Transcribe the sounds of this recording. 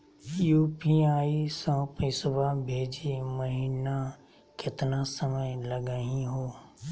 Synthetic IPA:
juːpiaːisãːpisbabʱeːd͡ʒiməɦiːna | kɪt̪nasəməjləɡaɦĩɦoː

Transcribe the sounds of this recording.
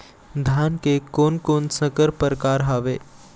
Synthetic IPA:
d̪ʱankekonkonsəkəɾpəɾkaɾɦaʋe

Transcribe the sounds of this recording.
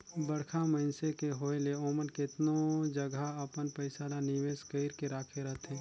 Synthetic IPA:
bəɽkʰaməɪnsekeɦoːjleoːmənkeɪt̪nod͡ʒəɡʱaəpənpəɪsaɾanɪʋeːskəɪɾkeɾaːkʰeɾɐɦt̪ɦɛ̃ː

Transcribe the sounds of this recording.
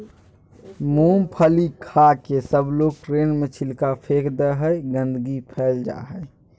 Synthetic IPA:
muːmpʰəlikʰakesəbloːɡ̚ʈɾeːnmət͡ʃʰɪlkapʰeːkʰd̪əɦəjɡə̃nd̪əɡipʰɛːld͡ʒa̰ːɦəe

